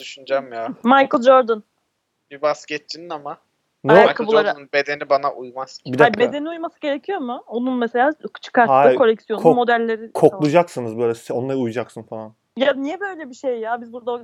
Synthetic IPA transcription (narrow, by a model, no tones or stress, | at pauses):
d̪̥yʃynd͡ʒamjaːmajkɯlˠd͡ʒoɾd̪ən | bibascɛt͡ʃt͡ʃʰininama | naokabulˠaɾabe̞d̪enibanaʔujmaz̥bid̪abe̞d̪e̞niujmasɯɟe̞ɾecʰijo̞mʊo̞nunmese̞lʲaːkʰɯ̥t͡ʃʰɯ̥kʰːaɾaakʰo̞lʲɛksjonʰmo̞d̪ælʲːeɾikʰo̞k̪lˠud͡ʒaksɯnɯzbøjlʲɛsi̥o̞nlˠaɾɯujud͡ʒaksɯnfalˠan | janijɛbø̞jlʲɛbiʃejːaːbizbuɾd̪ao